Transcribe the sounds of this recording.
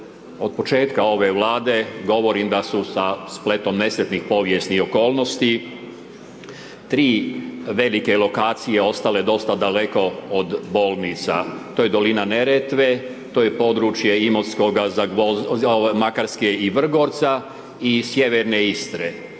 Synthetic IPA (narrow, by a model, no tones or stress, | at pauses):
od̪̚po̞t͡ʃe̞ːt̪kao̞ʋe̞ʋlˠaːd̪e̞ɡo̞ʋo̞ɾimd̪asusasple̞t̪o̞mne̞slet̪nixpo̞ʋjest̪nio̞ko̞ːlno̞st̪i | t̪ɾiːʋe̞like̞lˠo̞kaːt̪sijeo̞st̪ale̞d̪o̞st̪ad̪ale̞ko̞od̪bo̞ːlˠnit̪sa̰t̪oje̞d̪o̞linaneɾet̪ʋe | t̪oːje̞po̞ːd̪ɾut͡ʃje̞imosko̞ɡazaomakaɾskeiʋr̩ɡo̞ːɾt̪sa | isje̞ʋeɾneist̪ɾe